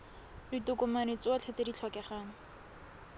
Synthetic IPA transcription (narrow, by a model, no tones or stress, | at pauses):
ritʊkʊmanɪt͡sʊat͡ɬʰet͡sedit͡ɬʰɔkɛχaːŋ̩